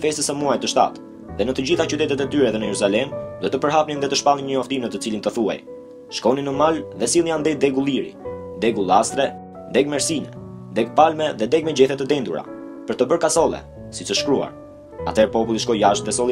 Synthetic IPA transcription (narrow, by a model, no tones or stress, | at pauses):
fɛst̪əsɛmuajt̪ːəʃt̪a̰t̪ | ðɛnət̪əd͡ʑiθat͡ʃyt̪ɛt̪ɛt̪ɛt̪yɾɛðɛnəjɛɾuzalɛmd̪uɔt̪əpəɾɦapninðɛt̪əʃpalˠinɲəɔft̪imnət̪ət͡silint̪əθua̰j | ʃkɔninəmalðɛsilˠjand̪ɛd̪ɛɡulˠiɾḭd̪ɛɡulˠast̪ɾɛ | d̪ɛɡ̚mɛɾsinɛ̰ | d̪ɛɡpalmɛðɛd̪ɛɡ̚mɛd͡ʑɛθɛt̪əd̪ɛnd̪uɾa̰ | pəɾt̪əbəɾkasɔlˠɛ̰ | sit͡səʃkɾua̰ɾ | a̰t̪ɛɾpɔpulˠiʃkɔjaʃt̪̚ðɛsɔlˠi